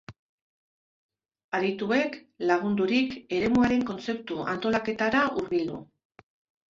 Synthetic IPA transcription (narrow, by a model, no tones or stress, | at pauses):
aɾit̪ue̞k | laɣ̞und̪uɾike̞ɾe̞muaɾe̞ŋko̞nt͡se̞p̚t̪ua̰nt̪o̞lake̞t̪aɾaʔuɾβild̪ṵ